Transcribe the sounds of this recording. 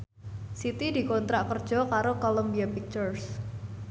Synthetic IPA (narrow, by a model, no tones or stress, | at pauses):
sit̪idi̤kɔnt̪ɾaʔkərd̥ʒ̥ɔ̤kaɾokolombiapik̚t͡ʃɔrs